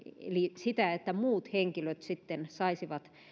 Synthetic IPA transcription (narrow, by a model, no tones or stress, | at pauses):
ḛlisit̪æet̪ːæmuːt̪heŋkiløt̪sit̪ːensɑisiʋɑt̪